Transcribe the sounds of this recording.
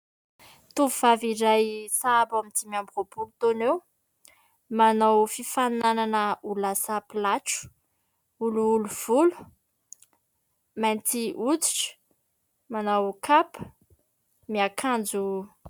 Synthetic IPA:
t̪uvuvaviɾajsabamit̪imiambrobulut̪onew | manawfifanananəulasapilaʈ͡ʂu̥ | uluuluv̥ulu̥ | mant̪iʔut͡si̥ʈ͡ʂə̥ | manawkʰapə̥ | miakʰand͡zu

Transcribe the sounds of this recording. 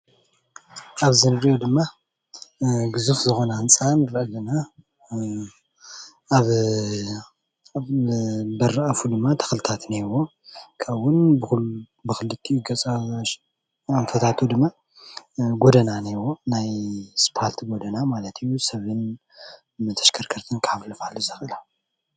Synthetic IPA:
aβzɨnɾiʔod̪ɨmːa | ɡɨzufzɨxo̞nant͡sʼanɾʔɐlɐna | β | bɐrːaafud̪ɨmːat̪ʰɐ̥xlɨt̪ʰat̪newo | kʰaβwʊnbɨx | bɨxɨlːɨt̪ʰːiɡɐt͡sʼa | aɱfɐt̪ʰat̪ʰod̪ɨmːa | ɡo̞d̪ɐnanewonajspʰalt̪ʰɡod̪ɐnamalɐt̪ʰijusɐβɨn | mɨt̪ʰɐ̥ʃkʰɐɾkʰɐɾt̪ʰɨnkʰaβlɐfaluzɐxɨla

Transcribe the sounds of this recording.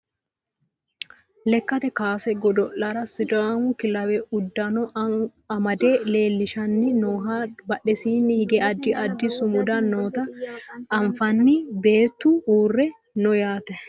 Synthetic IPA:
lɛkːɐt̪ɛkaːsɛɡɔd̪ɔʔːɐɾɐsɪd͡ʒʼamʊkɪlɐwɛʊd̪ːɐnɔ | ɐmɐd̪ele̞ːlːɪʃɐnːɪnoːɦɐbɐɗɛsiːnːɪhɪɡɛʔɐd̪ːɪʔɐd̪ːɪsʊmʊd̪ɐnoːt̪ɐː | ɱfɐnːɪbeːt̪ːʊuːrːɛ | nɔjaːt̪ɛ

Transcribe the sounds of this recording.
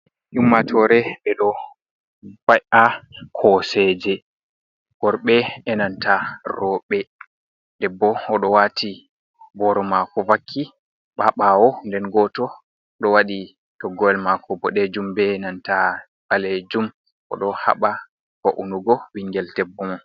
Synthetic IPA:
ʔumːatʰɔɾɛɓɛɗɔ | bajʔakʰɔsɛd͡ʒɛ | ɡ̥ɔɾɓɛɛnantarɔɓɛ | dɛbːɔɔɗɔwatʰi | bɔɾɔmakɔvakʰːi | ɓaɓawɔndɛnɡɔtɔ | ɗɔwaɗi | tɔɡɔɛlmakɔbɔɗed͡ʒumbɛnanta | baled͡ʒum | kɔ̰ɗɔha̰ɓa | baʔunuɡɔwiŋɡɛltɛbːɔmɔn

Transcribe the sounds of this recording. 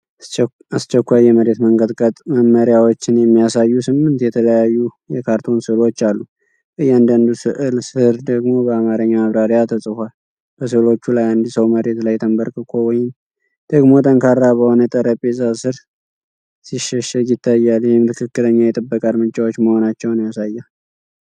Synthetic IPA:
ast͡ʃːɛkʷːajːɛməɾe̞t̪məŋɡəd̪kʼət̪ʼməmːəɾjawot͡ʃːɪnjɛmːijasajːusɨmːɨnt̪jɛt̪ʰələjajːu | jɛkʰaɾt̪ʰo̞nsɨlo̞t͡ʃːalːu | ɨjand̪and̪usɨʔɨlsɨɾd̪əɡmo̞bəamaɾɨɲːamaβɾaɾijat̪ʰəsʼɨhʷal | b̥əsɨlo̞t͡ʃːulajand̪isəwməɾe̞t̪lajt̪ʰəmbəɾkʼɨkʰo̞wɔjɪm | d̪̥əɡmo̞t̪ʰʼəŋkʰaɾːabəho̞nət̪ʼəɾəpʼezasɨɾ | siʃːɛʃɛɡɪt̪ʰːajːaljɛhɪmt̪ʰɨkʰɨkːɨləɲːajɛt̪ʼɨbːəkʼad̪mɨt͡ʃʼːawo̞t͡ʃːməho̞nat͡ʃːɛwnijasajːal

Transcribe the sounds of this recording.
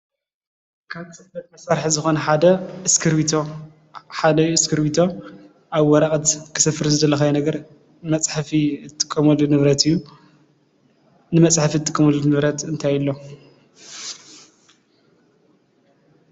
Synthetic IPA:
kʰaβt̪ʰsɐfɐt̪mɐsaɾħzɨxo̞nɐħad̪ɐskʰɨɾit̪ʰo | ħad̪ɐjɨskʰɨɾbit̪ʰo | ʔaβwɔɾɐkʼɐt̪kʰɨ̥sɐfɨɾzɨd̪ɐlːɐxɐjɛnɐɡɐɾ | mɐt͡sʼħfiɨt̪ʰːɨ̥kʼːɐmɐlːunɨβɾɐt̪ʰɨjːu | nɨmɐt͡sʼħfiɨt̪ʰːɨkʼːɐmɐlunɨβɾɐt̪ɨnt̪ʰajɪlːo̞

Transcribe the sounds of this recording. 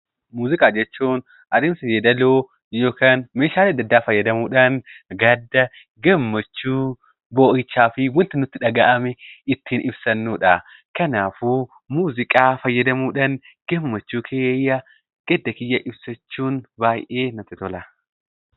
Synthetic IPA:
muːzɪkʼaːd͡ʒɛt͡ʃːuːn | ʔɐd̪ɛmsɐjed̪ɐloː | joːkaːnmeːʃaːlɪɐd̪ːɐd̪ːaːfɐjːɐd̪ɐmuːᶑɐnɡɐd̪ːɐ | ɡɐmːɐt͡ʃːuː | boːʔɪt͡ʃːaːfɪwɐnt̪ɪnʊt̪ːɪᶑɐɡɐʔɐmɛɪt̪ːiːnʔɪbsɐnːuːᶑɐ | kɐnaːfuː | muːzɪkʼaːfɐjːɐd̪ɐmuːᶑɐn | ɡ̥ɐmːɐt͡ʃːuːkʰeːjːɐ | ɡ̥ɛd̪ːɐkɪjːɐʔɪbsɐt͡ʃːuːnbaːjʔeːnɐt̪ɪt̪ɔlɐ

